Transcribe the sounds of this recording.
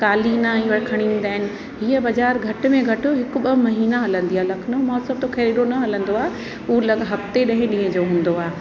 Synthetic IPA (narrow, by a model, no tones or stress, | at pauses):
kaːlinaːĩʋɐɽkʰɐɽ̃ĩːn̆d̪aːɦɪnɪ̆ | ɦiːəbɐd͡ʑaːɾɡʱɐʈ̆mẽɡʱɐʈʊ̆ɦɪkʊ̆ɓɐmɐɦiːnaɦɐlə̃nd̪iaːlɐkʰnomɔːsəb̚t̪okʰɐːɾiɗonɐɦɐlə̃nd̪oaːe | ulɐɡɦɐft̪eɗɐ̃ɦɪ̃ɗĩːə̃d͡ʑoːɦũːn̆d̪oaː